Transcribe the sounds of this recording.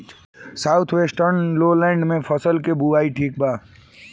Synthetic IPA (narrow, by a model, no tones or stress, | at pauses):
saːʊt̪ʰʋeːsʈəɾnloːlɛ̃ːɳɖmẽfɐsəlkebuaːiʈʰiːk̚baː